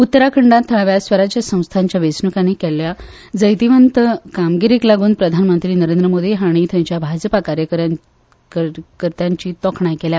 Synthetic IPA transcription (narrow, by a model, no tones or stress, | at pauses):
ut̪ːəɾakʰəɳɖãt̪ʰːəɭaʋjasʋəɾat͡ɕjasə̃w̃st̪ʰaɲt͡ɕjaʋesnukañekɛlja | d͡zəjt̪iʋənt̪əkamɡiɾiːklaɡuːnpɾəd̪ʱanmənt̪ɾiːnəɾẽnd̪ɾəmod̪ʱiɦaɽ̃it̪ãɲt͡ɕjabʱad͡zəpakaɾjəkəɾa | kəɾt̪jaɲt͡ɕiːt̪ɔkʰɳajkɛlja